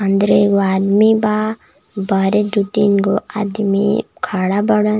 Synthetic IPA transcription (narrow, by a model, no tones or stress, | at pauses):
ɐnd̪ɾeɡoad̪miba | bɐɾed̪uʈinɡoʔa̰d̪mḭkʰaɽabɐɽə